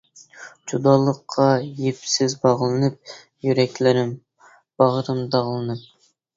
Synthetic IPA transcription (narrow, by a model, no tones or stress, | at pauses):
d͡ʒud̪ɑːlˠəqʰːɑjepsɪzbɑʁlˠɨnɨp̚ | jyɾɛkʲlɪɾɪm | b̥ɑʁɾɨmd̪ɑʁlˠɨnɨp̚